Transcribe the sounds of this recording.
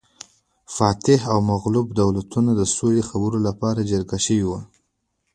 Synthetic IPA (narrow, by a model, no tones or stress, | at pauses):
fɑt̪ɪɦawmaɣlubd̪awlat̪unad̪əsolexabəɾolapɑɾad͡ʒəɾɡaʃəwiwa